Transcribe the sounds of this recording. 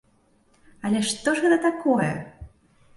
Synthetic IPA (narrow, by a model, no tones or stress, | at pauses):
ɐlʲɛʂt̪ɔʐɣɛt̪ɐt̪akɔjɛ̰